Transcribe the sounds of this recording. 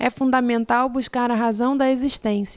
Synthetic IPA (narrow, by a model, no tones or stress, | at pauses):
ʔɛfũnd̪amẽnt̪awbuʃkaɾɐɦazɐ̃w̃d̪ɐeziʃt̪ẽsjɐ